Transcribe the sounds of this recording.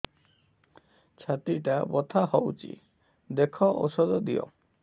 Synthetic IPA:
t͡ʃʰat̪iʈabɔt̪ʰaɦɔwt͡ʃʰḭ | d̪ekʰɔʔo̰sɔd̪ɔd̪ijɔ̰

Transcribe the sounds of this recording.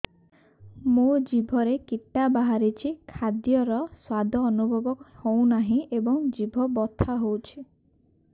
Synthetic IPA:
mud͡ʒibʱɔɾekiʈːabaɦaɾit͡ʃʰikʰad̪jɔɾɔswad̪ʱɔːnubʱɔbɔkhow̃naɦĩebɔŋd͡ʒibʱɔbɔt̪ʰaɦowt͡ʃʰi

